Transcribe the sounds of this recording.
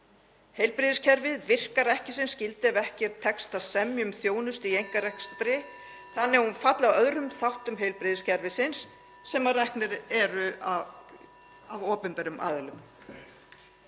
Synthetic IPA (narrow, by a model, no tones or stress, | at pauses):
hejlpɾɪðʏscʰɛɾvɪðvɪr̥kaɾɛhcɪsɪnscɪlt̪ɪavɛhcɛɾ̥t̪ʰɛkst̪asɛmjʏmθjoːwnʏst̪iejŋ̥kaɾɛhkst̪ɾɪ | θanːɪɛhunfat̪lawœðɾʏmθawht̪ʏmɦejlpɾɪðɪscʰɛɾvɪsɪnsː | ɛmarɛhknɪɾɛɾʏa | avɔːpʏnpɛɾʏmʔa̰ːðʏlʏm